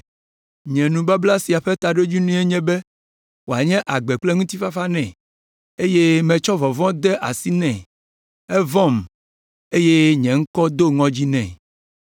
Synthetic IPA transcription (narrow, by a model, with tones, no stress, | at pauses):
ɲɛ̃˨nũ˨ba˦bla˦si˨a˨ɸe˦t̪a˨ɖo˦d͡ʑi˦nũ˦e˦ɲɛ̃˦bɛ˦ | wo˨a˨ɲɛ̃˦ʔa˨ɡ͡bɛ˨k͡plɛ˦ŋũ˦t̪i˦fa˦fa˦nɛ̃˨ | e˦je˦mɛ̃˨t͡ʃɔ˦vɔ˨vɔ̃˦d̪ɛ˦ʔa˨si˦nɛ̃˨ | ɛ˦vɔ̃˦˨m | e˦je˦ɲɛ̃˨ŋ̩˦kɔ˦d̪o˦ŋɔ̃˦d͡ʑi˦nɛ̰̃˨